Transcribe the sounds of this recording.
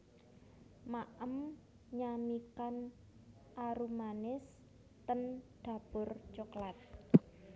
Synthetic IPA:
maʔəm | ɲamikan | ʔaɾumanɪs | t̪ənɖ̪̥ä̤b̥ʊrt͡ʃoklat̪̚

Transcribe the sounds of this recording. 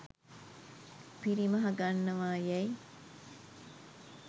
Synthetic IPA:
piɾimɐɦɐɡanːɐʋaːjɛj

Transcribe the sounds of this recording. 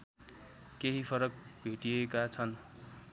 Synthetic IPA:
keɦipʰʌɾʌk̚bʱeʈijekat͡sʰʌn

